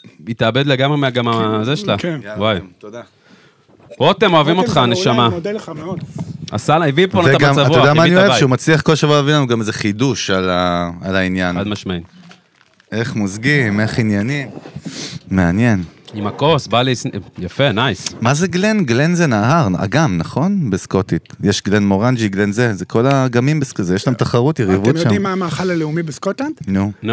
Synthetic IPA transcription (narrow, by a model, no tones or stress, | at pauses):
it̪abe̞d̪leɡamʁemeaɡamazeʃlawajt̪od̪a | boat̪e̞moavimot̪χaneʃamamoa̰salaivibponaeaɡaamsatvuodamaːinioevʃeumat͡sliaχko̞laʃavuaavilanuɡamezeχid̪uʃalaalainjanad̪maʃmaim | e̞χmozɡime̞χinjanim | meanje̞nimakosbalisjafenajsmaze̞ɡlenɡle̞nzenaːhaʁna̰ɡamnaχo̞nbeskot̪it̪jeʃɡlenmoʁand͡ʒiɡlenzezekʰo̞laɡamimbeskzejeʃlamt̪aχaʁut̪jeʁivutʃadimːaːmaːχalaleumibeskot̪land̪nuno